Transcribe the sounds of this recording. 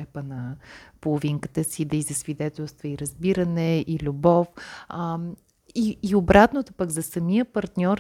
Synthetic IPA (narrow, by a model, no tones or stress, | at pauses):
ɛpənɐpolˠoviŋkə̥t̪əsid̪ɐizɐsvid̪ɛt̪ɛlˠst̪vəiɾɐzbiɾənɛilʲubɔf | iːʊbɾat̪not̪opəɡzɐsɐmijəpɐɾt̪nʲɔɾ